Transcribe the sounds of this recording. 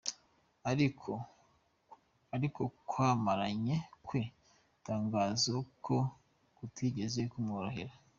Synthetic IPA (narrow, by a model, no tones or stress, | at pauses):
aɾiko | aɾikokwaːmaɾaɲekwi | taːŋɡaːzokʰo | kutwiːɟe̞zekumŋoɾohiɾa